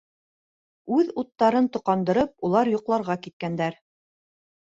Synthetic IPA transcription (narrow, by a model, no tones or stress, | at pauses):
ʉðut̪ːɑɾɤnt̪ŏqɑnd̪ɤ̆ɾɤp̚ulˠɑɾjŏqlˠɑɾʁɑkit̪̚kænd̪æɾ